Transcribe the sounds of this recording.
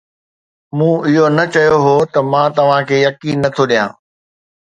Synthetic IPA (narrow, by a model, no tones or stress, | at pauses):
mũːɪɦonɐt͡ɕɐjoɦoːt̪ɐmãːt̪ɐʋ̤ãkʰeːjɐkiːnːɐt̪ʰoɗijã̰ː